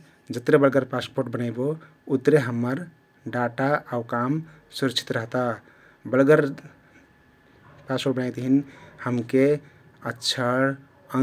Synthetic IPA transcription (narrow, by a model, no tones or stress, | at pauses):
d͡ʒət̪ɾebəlɡəɾpaspoɾʈbənajbo | ut̪ɾeɦəmːəɾ | ɖaʈaaukamsuɾəkt͡ʃʰi̥t̪ɾəɦt̪a | bəlɡəɾ | paspoɾʈ̚bənajt̪ɦinhəmke | ətːʃʰə | ə